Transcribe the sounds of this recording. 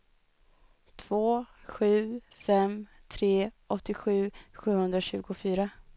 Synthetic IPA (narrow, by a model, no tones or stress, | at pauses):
t̪ʰv̥oːɧʉ̟ː | fɛmt̪ʰɾeː | ɔt̪ːɪɧʉ̟ːɧʉ̟ːhɵnd̪ɾaɕʉ̟ːɡʊfyːɾa